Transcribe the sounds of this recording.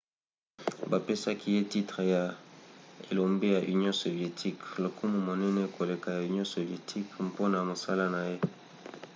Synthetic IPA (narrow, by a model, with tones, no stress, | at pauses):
ba˨pe˦sa˦ki˦je˦ti˦tʁe˨ja˨ | e˨lo˨mbi˦ja˨ʔy˨njɔ̃˦so˨vje˨tʰi˦klo˨ku˦mu˨mo˨nɛ˦nɛ˦ko˨le˨ka˨ja˨y˨ni˦ɔ̃˦so˨vje˨tʰi˦kpo˦na˨mo˨sa˦la˦na˨je˦